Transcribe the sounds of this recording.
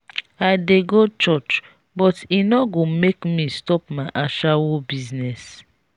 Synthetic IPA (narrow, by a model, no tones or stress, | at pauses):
adeɡot͡ʃɔt͡ʃ | bɔtinɔɡomekmistɔp̚maʔaʃawobiznɛs